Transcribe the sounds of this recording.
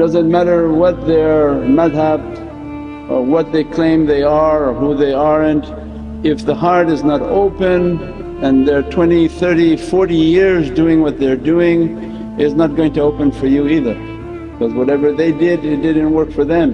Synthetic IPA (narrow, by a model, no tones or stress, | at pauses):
d̥ʌzɨ̃nmæɾə˞wʌt̪̚ðə˞mæðɦæb | ʔəwʌt̪̚ðeɪkʰl̥ẽɪ̃mðeɪə˞ɦuðeɪəɹɨ̃n | ɪfðəhɑɹɾɨznəɾo̰ʊpɨ̃n | ɨ̃nðə˞tʰw̥ɛ̃ñiθɜ˞ɾifɔɹɾijɪɹzduɪ̃ŋwʌt̪̚ðə˞duɪ̃ŋ | ɪznət̚ɡ̥oʊɪ̃ŋtɨoʊpɨ̃nfə˞juiðə̥˞ | kʌzwʌɾɛvə˞ðeɪdɪɾɪt̚d̥ɪdⁿn̩t̚wɜ˞kfə˞ðɨ̃m